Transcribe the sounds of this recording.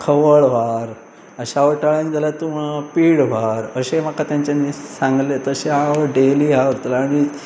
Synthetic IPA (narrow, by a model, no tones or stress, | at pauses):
kʰəʋəɭʋaɾ | əɕaʋəʈəɭãnd͡zalat̪umapiːɽʋaɾəɕemakat̪jãɲt͡ɕanisãŋɡlet̪əɕeaʋəɖeliaʋəɾt̪əlːɽ̃i